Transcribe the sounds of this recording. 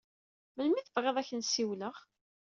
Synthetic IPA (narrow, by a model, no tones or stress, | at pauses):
məlmiθəvʁeðˤæçənsiwləʁ